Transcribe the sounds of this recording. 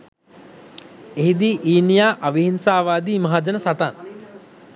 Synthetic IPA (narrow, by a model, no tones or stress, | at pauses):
eɦid̪iːʔiːnijaːʔaʋiɦinsaːʋaːd̪iːmaɦad͡ʒənəsat̪an